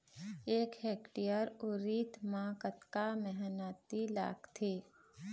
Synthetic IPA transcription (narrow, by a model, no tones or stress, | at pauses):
eːkheːkʈijəɾʊɾiːt̪mãkət̪kamɛɦnaːt̪ila̰ːkt̪ʰeː